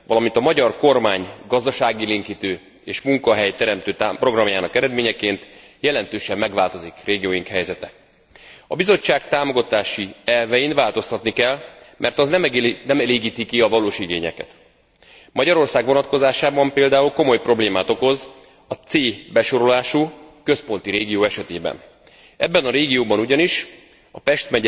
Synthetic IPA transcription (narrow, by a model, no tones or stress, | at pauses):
vɒlɒmint̪ɒmɒɟɒrko̞rmaːɲɡɒzd̪ɒʃaːɡileːŋkit̪øː | eːʃmuŋkɒɦɛjt̪ɛɾɛmt̪øːt̪apro̞ɡrɒmjaːnɒkɛɾɛd̪meːɲɛkeːnt̪ | jɛlɛnt̪øːʃɛmːɛɡʋvaːlt̪o̞zikreːɡijoːjiŋkhɛjzɛt̪ɛ | ɒbizo̞t͡ʃːaːkt̪aːmo̞ɡɒt̪aːʃiɛlvɛjinvaːlt̪o̞st̪ɒt̪nikɛlmʔɛrt̪ɒznɛmnɛmɛleːɡiːt̪ikiɒvɒloːʃiɡeːɲɛ̰kɛ̰t̪ | mʔɒɟɒɾo̞rsaːɡʋo̞nɒt̪̚ko̞zaːʃaːbɒmpeːld̪aːulko̞mo̞jpro̞bleːmaːt̪o̞ko̞z | ɒt̪seːbɛʃo̞ɾo̞laːʃukøspo̞n̪t̪iɾeːɡijoːɛʃɛt̪eːbɛ̰n | ɛbːɛnɒɾeːɡijoːbɒnuɟɒniʃ | ɒpɛʃt̪mɛ